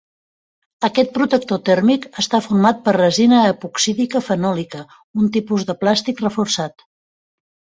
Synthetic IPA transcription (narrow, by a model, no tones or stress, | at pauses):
əkɛt̪̚pɾut̪ək̚t̪ot̪ɛrmikəst̪afurmat̪̚pərrəzinəːpuksiðikəfənɔlikə | unt̪ipuzðəplast̪ikrəfursat̪